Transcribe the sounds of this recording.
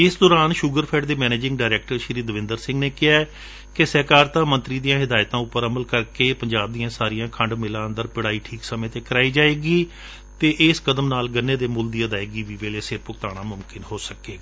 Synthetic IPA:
ɪsd̪ɔːɾaːnʃʊɡəɾpʰɛːɖd̪eːmɛːneːd͡ʒɪ̃ŋɡɖaːɪɾɛːk̚ʈəɾʃɪɾiːd̪əʋɪ̃nd̪əɾsɪ̃ŋɡneːkɪaːɛ | kesəkaːɾt̪ãːmə̃nt̪ɾiːd̪ijãːɦɪd̪aːjt̪ãːʊpːəɾəməlkəɾkeːpəɲd͡ʒaːb̚d̪iːãːsaːɾijãːkʰəɳɖmɪlãːənd̪əɾpɪɽaːiːʈʰiːksəmẽːt̪eːkəɾaːiːd͡ʒaːeːɡiː | t̪eːʔɪskəd̪əmnaːlɡənːeːd̪eːmʊld̪iːəd̪aːeːɡiːʋiːʋeːlesɪɾpʊkt̪aːɽ̃aːmʊmkɪnhoːsəkeːɡaː

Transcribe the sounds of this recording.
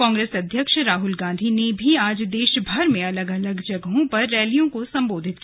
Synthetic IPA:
ɔ̃ːŋɡɾeːsɐd̪ʱjəkʃɾaːɦʊlɡãːnd̪ʱinebʱiaːd͡ʒd̪eːʃbʱɐɾmẽɐləɡɐləɡd͡ʒɐɡɦõpɐɾːɛːlijõkosɐ̃mboːd̪ʱɪt̪k

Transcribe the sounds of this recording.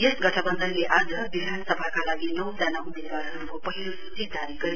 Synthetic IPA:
jʌsɡʌʈʰʌbʌnd̪ʱʌnleʔad͡zʌbid̪ʱansʌbʱakalaɡinʌwd͡zanaumed̪waɾɦʌɾukopʌɦilosu̥t͡sid̪aɾiɡʌɾi

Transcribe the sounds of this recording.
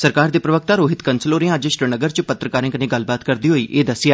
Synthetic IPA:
səɾkaːɾd̪iːpɾəʋək̚t̪aːɾoːɦɪt̪kənsəloːɾẽad͡ʒʃɾənəɡəɾt͡ʃpət̪ɾəkaːɾɪ̃ŋkneːɡəlbaːt̪kəɾd̪iːɦoːiːʔeːd̪əsːɪjaː

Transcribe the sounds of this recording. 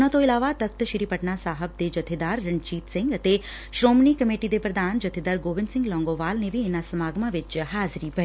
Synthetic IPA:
nə̃t̪oilaːʋat̪ək̚t̪əʃɪɾipəʈnasaːɦəb̚d̪ed͡ʒət̪ʰed̪aːɾːəɳt͡ʃiːt̪sɪ̃ŋɡət̪e | ʃɾoːmnikəmeʈid̪epɾəd̪ʱaːnd͡ʒət̪ʰed̪aɾɡoːʋɪnsɪ̃ŋɡlɔ̃ːŋɡoʋaːlneʋienasəmaːɡmãʋɪt͡ʃɦaːzɾibʱə

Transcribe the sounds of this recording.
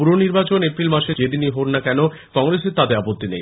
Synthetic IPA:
uɾoniɾbat͡ɕonepɾilmaʃed͡ʑed̪iniɦoɾnakɛno | kɔŋɾeseɾt̪ad̪eɾapot̪ːinḛj

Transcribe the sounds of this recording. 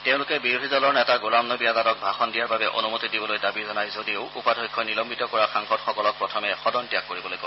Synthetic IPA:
teʊ̃lʊkɛbiɹudʱizɔlɔɹnɛtaɡolamnɔbiadadɔk̚bʱaxɔndijaɹbabɛʔonumotidibɔlojdabizɔnajzodioʊupadʱɔjkʰːɔnilɔmbitɔkɔɹaxaŋxɔdxɔkɔlɔk̚pɹɔtʰɔmɛxɔdɔntijakːoɹibɔlojko

